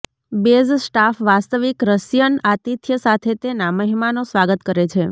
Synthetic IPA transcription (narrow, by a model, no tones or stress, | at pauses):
bezsʈafʋast̪əʋikɾəsjənat̪it̪ʰjəsat̪ʰet̪enaməɦimanosʋaɡət̪kəɾet͡ʃʰe